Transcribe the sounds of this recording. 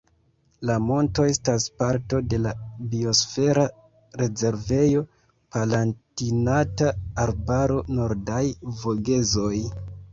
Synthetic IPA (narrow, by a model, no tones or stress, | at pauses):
lamo̞nto̞e̞staspaɾto̞de̞labio̞sfe̞ɾa | ɾe̞ze̞ɾve̞jo̞ | palantinataːɾbaɾo̞no̞ɾdajvo̞ɡe̞zo̞j